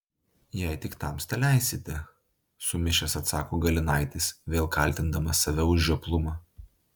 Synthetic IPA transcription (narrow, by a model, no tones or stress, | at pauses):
jɛɪt̪ʲɪkt̪ɑˑmsʲt̪ʲɛlʲæˑɪsʲɪt̪ʲɛ | sʊmʲɪʃʲɛsɐt̪sɑːkoːɡɐlʲɪnɑˑɪt̪ʲɪsʋʲeːlˠkɐlʲˑt̪ʲɪnd̪ɐmɐsɐʋʲɛʊʒʲʒʲuplˠʊmɑː